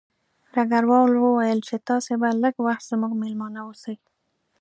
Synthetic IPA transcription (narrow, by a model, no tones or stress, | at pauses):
ɾaɡaɾwɑwlwəwajəlt͡ʃet̪ɑsebaləɡwaxt̪z̥muɡmelmɑnawosəwi